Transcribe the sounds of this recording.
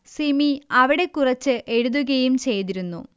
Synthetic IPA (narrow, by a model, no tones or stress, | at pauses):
simiɐʋiɽe̞kːurɐt͡ɕːɨʔe̞ɻuðuɣɐjumt͡ɕe̞jt̪iɾunːṵ